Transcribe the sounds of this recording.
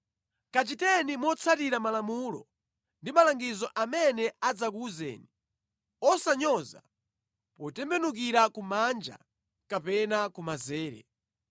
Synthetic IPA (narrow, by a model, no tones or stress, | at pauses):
kat͡ʃitɛnimɔt͡sʰatiɾamalamulɔ̰ | ndimalaŋɡizɔʔamɛnɛad͡zakuzɛ̰ːni | ɔsaɲɔza | pɔtɛmbɛnuk̬iɾakumand͡ʒa̰ | kapɛnakumazɛːɾɛ̰